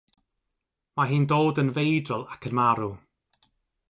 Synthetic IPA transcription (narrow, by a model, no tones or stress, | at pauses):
maɦiːndoːdənvejdrɔlˠakʰənmaɾu